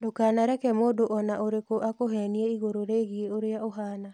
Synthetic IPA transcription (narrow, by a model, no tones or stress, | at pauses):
dokaːnaɾɛkɛmoːdoʔɔnaʔoɾekoʔakoɦɛniɛiɣoɾoɾeɣieoɾeaoɦaːna